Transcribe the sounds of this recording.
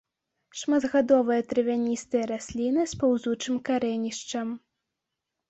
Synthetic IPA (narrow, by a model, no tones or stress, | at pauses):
ʂmad̪ɣad̪ɔvɨjɐt̪ɾɨvʲanʲist̪ɨjɐɾasʲlʲinɨspawzut͡ʂɨmkaɾɛnʲiʂt͡ʂɐm